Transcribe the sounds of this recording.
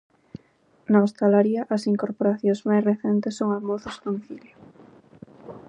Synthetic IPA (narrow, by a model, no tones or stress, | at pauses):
naost̪alaɾiɐʔɐsiŋkoɾpoɾaθjõŋzmajsreθɛnt̪esːoŋamoθosd̪omiθiljo